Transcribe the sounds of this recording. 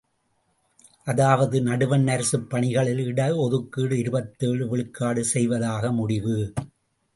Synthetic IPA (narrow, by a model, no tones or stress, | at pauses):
ʔɐðaːʋɐðɯnɐɽɯʋɐnːɐɾsɯpːɐɳɪɣɐɭɪlɪɽɐɔðɯkːiːɽɯɪɾɯbɐt̪ːeːɭɯʋɪɭɯkːaːɽɯsɛjʋɐðaːɣɐmʊɽɪʋɯ